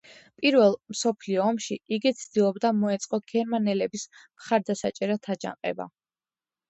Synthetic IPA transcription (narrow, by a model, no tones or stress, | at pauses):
pʼiɾvɛlˠmsɔpʰliɔːmʃiiɡit̪sʰd̪̥ilˠɔbd̪amɔɛt̪sʼqʼɔɡ̥ʰɛɾmanɛlɛbismχaɾd̪asat͡ʃʼɛɾat̪ʰad͡ʒa̰ŋqʼɛ̰ba̰